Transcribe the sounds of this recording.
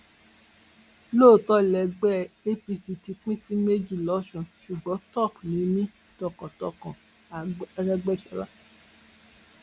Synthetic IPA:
loː˦˨tɔ˦lɛ˧ɡ͡bɛ˦˨e˦pi˧si˧ti˧k͡pĩ˦si˦me˦d͡ʒi˦˨lɔ˨˦ʃɔ̃˨ʃu˨ɡ͡bɔ̃˨˦tɔ˦˨knĩ˨˦mĩ˦ | tɔ˧˨kɔ̃˨tɔ˧kɔ̃˨˧ | ɾɛ˦ɡ͡bɛ˦˨ʃɔ˨˦la˦

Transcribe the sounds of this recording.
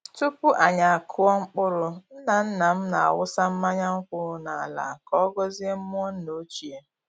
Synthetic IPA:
tu˦pu˦ʔa˨ɲa˨a˨kʰʊ˦ɔ˦ŋ͡m̩˦k͡pʊ˦ɾʊ˨n̩˦na˨n̩˦na˨m̩˦na˨a̰˨wʊ˦sa˦m̩˦ma˦ɲa˦ŋ͡m̩˦kʊ˦ʊ˦na˨a˨la̰˨kɔ˦ɔ˦ɡɔ˦zi˦e˦m̩˦mʊ˦ɔ˦n̩˦no˦t͡ʃi˨e˦

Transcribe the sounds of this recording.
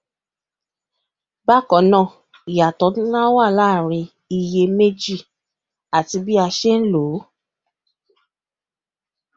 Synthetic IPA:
ba˦kɔ˨˦nã˦˨ | i˨ja˨tɔ˨˦dũ˦lã˦wa˦˨la˦˨ɾ̃ĩ˧ | i˧je˧me˦d͡ʒi˦˨ | a˨ti˧bi˦a˧ʃe˦n̩˦lo˨˦

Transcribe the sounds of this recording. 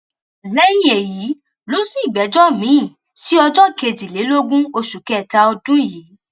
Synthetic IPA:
lɛ˦ji˦je˨ji˨˦ | lo˦si˦˨ɡ͡bɛ˨˦d͡ʒɔ˦mĩ˨˦˨ | si˦ɔ˧d͡ʒɔ˦˨ke˧d͡ʒi˨le˨˦lo˦ɡũ˦o˧ʃu˨kɛ˦˨ta˧˦ɔ˧dũ˦i˦˨li˨˦

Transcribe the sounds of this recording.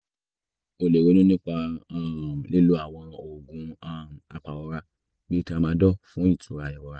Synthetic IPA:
o˧le˨ɾe˨˦nũ˦nĩ˦k͡pa˧a˦˨le˦lu˦a˦˨w̃ɔ̃˧o˨ɡũ˧˦a˦˨m˨a˨˧k͡pa˨wɔ˧˦ɾa˧ | bi˦˧ti˦a˦˧mãː˧˦dɔ˦fũ˦ĩ˦˨tʰũ˨˦ɾa˨jɛ˨wɔ˨˧ɾa˦

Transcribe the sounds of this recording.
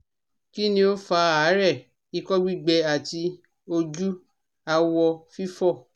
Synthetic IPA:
ki˦nĩ˧˦o˦fa˧˦a˨˦ɾɛ˦˨ | i˦˧kɔ˦ɡ͡bi˦˨ɡ͡bɛ˧a˨ti˧ | o˧d͡ʒu˦ | a˧wɔ˧fi˦fɔ˦˨

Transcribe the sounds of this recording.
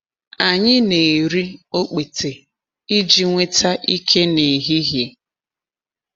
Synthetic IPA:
a˨ɲɪ˦ne˨e˨ɾi˦o˦k͡pe˨te˨ | i˦d͡ʒi˦ŋʷe˦ta˦ʔi˦kʰe˦ne˨ɦi˦ɦɪ˨

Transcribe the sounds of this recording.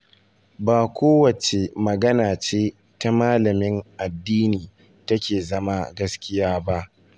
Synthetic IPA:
baː˨kʷʰoː˦wɐ˨t͡ʃe˨mɐ˨ɡɐ˦naː˨t͡ʃeː˦ | ta˦maː˦lɐ˨mɪ˦ŋʔa˨dːiː˦niː˨ | tɐ˦kʲeː˨zɐ˦ma˦ɡɐ˦skʲɪ˦jaː˦ba˦ʔ

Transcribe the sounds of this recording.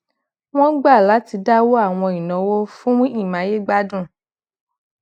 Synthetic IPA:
w̃ɔ̃˦ɡ͡ba˦˨la˨˦ti˧da˦wo˦a˦˨w̃ɔ̃˧i˨nɔ̃˨˦wo˦fũ˦i˦˨mã˨˧˦je˦ɡ͡ba˦dũ˦˨

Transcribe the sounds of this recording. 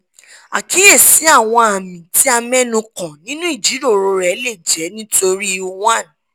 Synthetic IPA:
a˨ki˨˦e˦˨si˨˦a˦˨w̃ɔ̃˧a˨mĩ˨ti˨˦a˧mɛ̃˦nũ˧kã˨nĩ˦nũ˦i˦˨d͡ʒi˨˦ɾo˦˨ɾo˧ɾɛ˨˦le˦˨d͡ʒɛ˨˦nĩ˦to˧ɾi˦˧o˧wã˦˨n˨

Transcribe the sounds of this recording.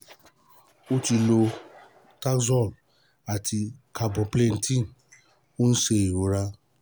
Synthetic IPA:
o˦ti˧lo˧ | ta˦kzɔ˦˨l | a˨tʰi˧ka˧bɔ˨ple˦˨n̩˨tĩ˦˨n | o˦n̩˦ʃe˧i˨ɾo˨˦ɾa˧

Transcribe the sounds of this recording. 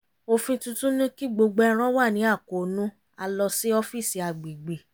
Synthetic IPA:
o˧fĩ˧tũ˧tũ˦nĩ˦ki˦ɡ͡bo˧ɡ͡bɛ˧˦ɾ̃ɔ̃˦wa˦˨nĩ˨˦a˦˨ko˨nũ˦ | a˧lɔ˧si˦ɔ˧fi˦˨si˨a˨ɡ͡bi˨ɡ͡bi˨

